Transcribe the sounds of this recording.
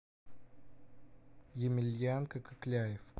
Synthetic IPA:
jɪmʲɪlʲjankəkəklʲæjɪf

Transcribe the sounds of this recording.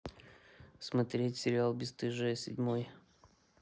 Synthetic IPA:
smɐt̪ɾʲetʲsʲɪɾʲɪalˠbʲɪst̪ɨʐɨsʲɪ̰dʲmoj

